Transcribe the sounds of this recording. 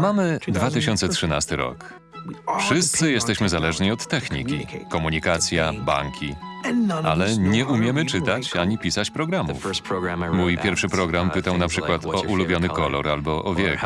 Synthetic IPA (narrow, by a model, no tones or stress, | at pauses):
mamɘd̪vat̪ɘɕɔnt̪sɛtʂɘnast̪ɘɾɔ̰k | fʂɘst̪sɘjɛst̪ɛɕmɘzalɛʐɲiɔt̪ːɛxɲḭkʲḭkɔmuɲikat̪sʲjaba̰ŋkʲʰi | a̰lɛɲɛʔumʲjɛmɘt͡ʂɘt̪at͡ɕaɲipʲisat͡ɕpɾɔɡɾamṵfmujpʲjɛɾfʂɘpɾɔɡɾampɘt̪awnapʂɘkwat̪ʰɔʔulubʲjɔnɘkɔlɔ̰ɾalbɔʔɔvʲjɛk